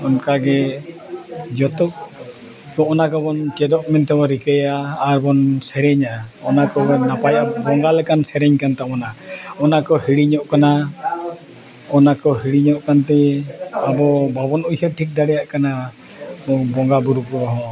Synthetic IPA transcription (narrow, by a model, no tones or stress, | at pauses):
ɔnkaɡɛ | d͡ʒɔt̪ɔk̚ | kɔɔnakɔbɔnt͡ʃɛd̪ɔʔmɛnt̪ɛɔɾikəjaːɾbɔnsɛɾɛɲaɔnakɔnapajʔabɔŋɡalɛkansɛɾɛɲkant̪aɔnaɔnakɔhiɽiɲɔʔkana | ɔnakɔhiɽiɲɔʔkant̪ɛabɔbabɔnujhɛʈʰik̚d̪aɽɛjaʔkana | bɔŋɡabuɾukɔɦɔ̃